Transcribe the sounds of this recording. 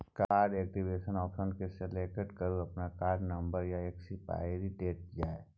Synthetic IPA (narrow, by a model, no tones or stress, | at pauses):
kaːɾɖɛːk̚ʈibeːʃənɔːpʃənkeseleːkəʈkəɾuɐpnakaːɾɖnɐ̃mbəɾjaeːksipa̰eɾiʈeːʈ̚d͡ʒaːe